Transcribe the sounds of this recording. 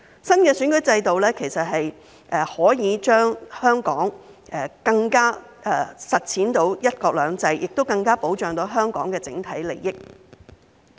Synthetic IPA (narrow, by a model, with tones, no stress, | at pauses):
sɐ˥nkɛː˧syː˨˥nkɵ˨˥jt͡sɐ˧jt̪o˨wlɛː˥kʰe˨˩jsɐ˨t̚hɐ˨j | ʔɛ˨˧hɔː˨˥jiː˨˧t͡ʃœː˥ŋhœː˥ŋkɔː˨˥ŋɛː˨˩kɐ˧ŋkaː˥ | ɛ˨˩sɐ˨t̚t͡sʰiː˨˥nt̪o˨˥wjɐ˥t̚kɔː˧k̚lœː˨˧˥ŋt͡sɐ˧jjʔɪ˨k̚t̪o˥wkɐ˧ŋkaː˥po˨˥wt͡ʃœː˨ŋt̪o˨˥ɦœː˥ŋkɔː˨˥ŋkɛː˧t͡sɪ̰˨˥ŋt̪ʰɐ˨˥jle˨jːɪ˥k̚